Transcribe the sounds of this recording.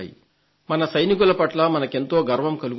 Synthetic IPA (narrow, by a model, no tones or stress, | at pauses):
jḭ | mɐnɐsɐjnik̬ulɐpɐʈlɐmɐnɐke̞nt̪o̞ːɡɐɾʋɐmkɐluɡ